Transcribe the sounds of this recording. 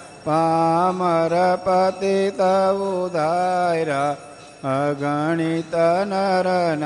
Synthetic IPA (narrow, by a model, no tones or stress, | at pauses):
pamɐɾɐpɐt̪it̪ɐʋud̪ʱajɾa | ɐɡɐɳit̪ɐnɐɾɐn